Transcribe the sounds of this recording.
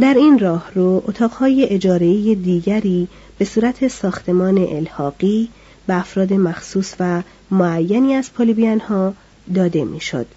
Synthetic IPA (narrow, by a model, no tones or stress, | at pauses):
d̪æɾiːnrɒːhroʔot̪ʰɒːɣhɒːje̞ʔed͡ʒɒːɾeijed̪iːɟæɾiː | b̥e̞suːɾæt̪ʰe̞sɒːxt̪ʰe̞mɒːne̞̰ʔelhɒːɢ̥iː | b̥eæfɾɒːd̪e̞mæxsuːsvæ | moæjːæniːæz̥pʰolibiænhɒː | d̪ɒːd̪e̞mḭːʃo̰d̪̥